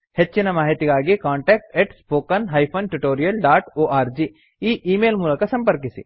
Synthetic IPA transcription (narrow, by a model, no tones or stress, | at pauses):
het͡ʃːinɐmaːɦit̪iɡaːɡikaːɳʈeːk̚ʈeʈspoːkɐnɦɐjpʰɐnʈuʈoːɾijɐlɖaːʈoːʔaːɾd͡ʒi | iːʔiːmeːlmuːlɐkɐsɐmpɐɾkisḭ